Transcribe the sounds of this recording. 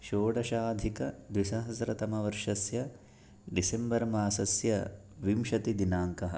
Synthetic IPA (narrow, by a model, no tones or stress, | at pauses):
ʃoːɽɐʃaːd̪ʱikɐd̪ʋiʃɐɦɐsɾɐt̪ɐmɐʋɐɾʂɐsjɐ | ɖisembɐɾmaːsɐsjɐ | ʋimʃɐt̪id̪inaːŋkɐɦɐ̰